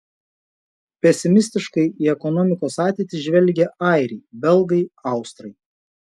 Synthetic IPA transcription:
pʲɛsʲɪmʲɪsʲt̪ʲɪʃkɐɪiːɛkɔnɔmʲɪkoːsɑːt̪ʲeɪt̪ʲɪʒʲʋʲɛlʲɡʲɛʔɑˑɪɾʲɛɪbʲɛlˠɡɐɪɐˑʊst̪ɾɐɪ

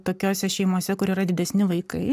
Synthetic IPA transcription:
t̪oːkʲoːsʲɛʃʲɛɪmoːsʲɛkʊɾiːɾɐd̪ʲɪd̪ʲɛsʲnʲɪʋɐɪkɐɪ

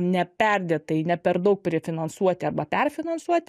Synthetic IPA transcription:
nʲɛpʲɛrʲd̪ʲeːt̪ɐɪnʲɛpʲɛɾd̪ɐʊk̚pʲɾʲɪfʲɪnɐnsuɔt̪ʲɪɐrbɐpʲɛrfʲɪnɐnsuɔt̪ʲɪ

